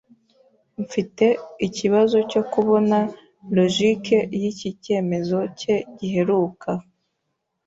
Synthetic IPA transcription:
ɱ̩fite̞iciβazo̞co̞kuβo̞na | lo̞ʒike̞jicice̞ːme̞zo̞ce̞ɟiɦe̞ɾuːkʰa

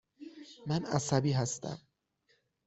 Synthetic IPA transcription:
mænæ̰sæbiːɦæst̪æ̰m

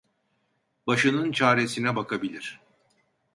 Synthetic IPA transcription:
baʃɯnɯnt͡ʃʰaːɾesinɛbakʰabilʲiɾ̥

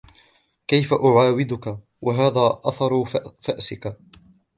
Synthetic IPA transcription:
kajfaʔʊʕaːwɪd̪ʊka | wʔaɦaːðaːʔɑθɑɾˤfaʔsɪka

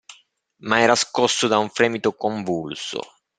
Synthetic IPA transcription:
maɛːɾaskɔsːʊd̪auɱfɾɛːmit̪okoɱvulsʊ̰

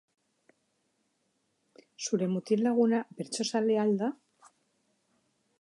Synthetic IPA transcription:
sulemut̪illaɣ̞unabeɾt͡ʃosaleald̪a

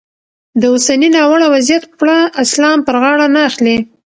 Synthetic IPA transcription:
d̪əʊsaninɑwaɽawazjat̪pɽaʔɪslɑmpəɾɣɑɽanaːxli

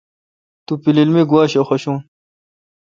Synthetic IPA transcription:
t̪upililmiɡuwaːɕoxoɕũːn

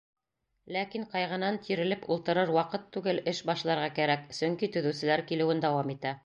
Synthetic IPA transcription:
lækiɴqɑjʁɤ̆nɑnt̪ʰiɾɘ̆lɘpulˠt̪ɤ̆ɾɤɾwɑqɤt̪ʰːʉɡɘlɘʃbɑʃlˠɑɾʁɑkæɾæksɵ̆ŋkit̪ɵ̆ðɘ̆wsɘ̆læɾkilɘ̆wɘnd̪æwɑmit̪æ

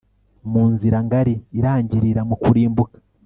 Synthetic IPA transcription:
muːnziɾaŋɡaɾiːɾaːɲɟiɾiɾamukuɾiːmbukḁ

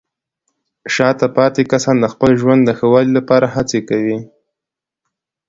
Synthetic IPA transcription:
ʃɑt̪apɑt̪ekasɑnd̪əxpəlʒwand̪d̪əxəwɑlilapɑɾahat͡sekawi

